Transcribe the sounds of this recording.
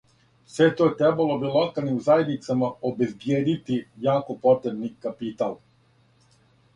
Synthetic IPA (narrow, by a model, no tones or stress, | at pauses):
sʋet̪ojet̪ɾebalobilokalnizajed̪nit̪samaobe̞zbjeːd̪it̪ijaːko̞pot̪ɾebnikapit̪al